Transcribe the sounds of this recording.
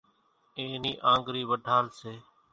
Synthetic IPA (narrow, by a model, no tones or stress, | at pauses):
eːniːʔãːŋɡɾiːʋəɖʱaːlseː